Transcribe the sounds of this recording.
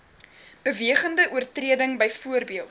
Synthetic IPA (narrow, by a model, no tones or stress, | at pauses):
b̥əviəχəndəʔuərtriədəŋbəjfuərbiəlˠ